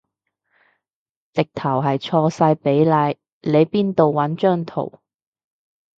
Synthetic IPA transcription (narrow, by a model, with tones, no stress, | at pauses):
t͡sɪ˨k̚t̪ʰɐ˨˩wɦɐ˨jt͡ʃʰɔː˧saː˧jpe˨˥jlaː˨˧˥j | le˨˧jpiː˥nt̪o˨wːɐ˨˥nt͡ʃœː˥ŋt̪ʰo̰˨˩w